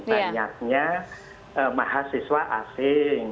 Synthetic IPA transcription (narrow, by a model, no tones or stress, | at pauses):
baɲak̚ɲa | əmaɦasiswaʔasɪŋ